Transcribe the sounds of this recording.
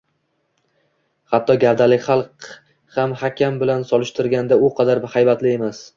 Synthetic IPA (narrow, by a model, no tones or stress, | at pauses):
hat̪ʰːɒɡʲaɾd̪alɪkʲχɑlˠq | hamhakʲʰambɪlansɒlˠɪʃt̪ʰɪɾɡʲand̪aʊqʰɑd̪aɾbhajbat̪lɪe̞mas